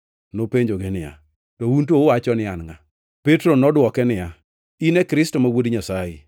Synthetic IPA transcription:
nopeɲd͡ʒoɡenɪja̰ | tɔunt̬oʊwat͡ʃɔnɪanŋa | petɾonɔdwɔkɛnɪja | inɛkɾɪstomawodɲasajɪ̰

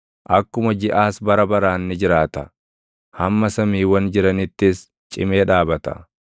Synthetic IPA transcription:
ʔɐkːʊmɐd͡ʒɪʔaːsbɐɾɐbɐɾaːnːɪd͡ʒɪɾaːt̪ɐ | hɐmːɐsɐmiːwɐnd͡ʒɪɾɐnɪt̪ːɪs | t͡ʃʼɪmeːᶑaːbɐt̪ɐ̰

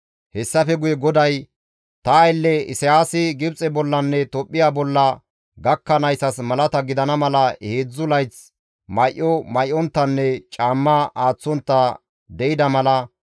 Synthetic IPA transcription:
hɛsːɐfɛɡʊjɛɡɔd̪ɐj | t̪ɐːjlːɛɪ̰sɪjaːsɪɡɪbt͡sʼɛbɔlːɐnːɛt̪ɔpʼːɪjaːbɔlːɐ | ɡɐkːɐnɐjsɐsmɐlɐt̪ɐɡɪd̪ɐnɐmɐlɐheːd͡zːʊlɐjt͡s | mɐjʔːɔmɐjʔɔnt̪ːɐnːɛt͡ʃʼaːmːɐaːt͡sːɔnt̪ːɐ | d̪ɛjɪd̪ɐmɐlɐ

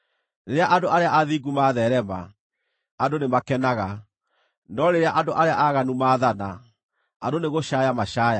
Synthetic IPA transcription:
ɾeɾeaʔandoʔaɾeaʔaðiɡumaðɛɾɛma̰ | adonemakɛnaɣa | nɔɾeɾeaʔandoʔaɾeaʔaɣanumaːðana | adoneɣoɕajamaɕaːja

